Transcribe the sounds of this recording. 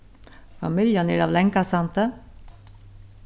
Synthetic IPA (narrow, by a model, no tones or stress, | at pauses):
fɑ̰mɪljənæɾɑːʋlɛŋkasɑnt̪ə